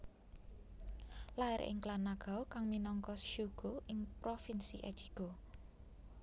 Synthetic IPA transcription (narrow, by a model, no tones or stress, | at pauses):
laɛɾ̰ʔɪ̰ŋklanaɡ̥a̤okaŋminɔŋkɔʃuɡ̥oʔɪŋpɾofinsiʔɛ̰̥t͡ʃi̥ɡ̥o